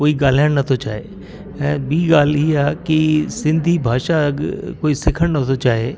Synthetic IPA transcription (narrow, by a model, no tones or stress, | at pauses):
koːiɡaːl̤aənnɐt̪ʰot͡ʃaːḛ̃ː | biːɡaːliːaːkisɪ̃nd̪ʱibʱaːʃaɡkoːisɪkʰəɽ̃nət̪ʰot͡ʃaːɦeː